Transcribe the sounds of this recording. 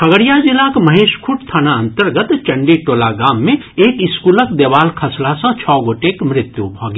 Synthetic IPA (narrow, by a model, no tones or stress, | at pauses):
kʰɐɡəɽijad͡ʒɪlakmɐɦeːʃkʰuʈt̪ʰaːnaə̃nt̪əɾɡət̪t͡ʃə̃ɳɖiʈoːlaɡaːmːẽ | eːkɪskuːləkd̪eːʋaːlkʰɐslasə̃t͡ʃʰɔːɡoːʈekmɾɪt̪jubʱɔːɡi